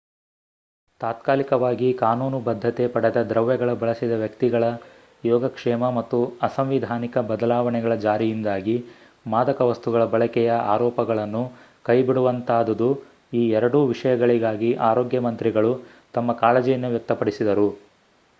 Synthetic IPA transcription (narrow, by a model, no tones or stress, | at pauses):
t̪aːt̪kaːlikɐʋaːɡikaːnuːnubɐd̪ʱːɐt̪epɐɽɛd̪ɐd̪ɾɐʋjɐɡɐɭɐbɐɭɐsid̪ɐʋjɐkt̪iɡɐɭɐ | jɔːɡɐkʂɛːmɐmɐt̪ːuɐsɐmʋid̪ʱaːnikɐbɐd̪ɐlaːʋɐnɛɡɐɭɐd͡ʒaːɾijind̪aːɡi | maːd̪ɐkɐʋɐst̪uɡɐɭɐbɐɭɐkɛjɐʔa̰ːɾɔːpɐɡɐɭɐnːu | kɐjbiɽuʋɐnt̪aːd̪ɐd̪u | iːɛɾɐɽuʋiʂɐjɐɡɐɭiɡaːɡiʔaːɾoːɡjɐmɐnt̪ɾiɡɐɭu | t̪ɐmːɐkaːlɐd͡ʒijɐnːuʋjɐk̚t̪ɐpɐɽisid̪ɐɾu